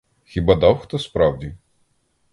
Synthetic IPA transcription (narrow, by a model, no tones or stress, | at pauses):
xʲibɑd̪ɑwxt̪ɔspɾɑwdʲi